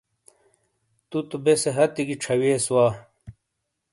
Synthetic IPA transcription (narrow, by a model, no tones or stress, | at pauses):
t̪ut̪ubeseɦɐt̪iɡiʈ͡ʂʰɐweːswaː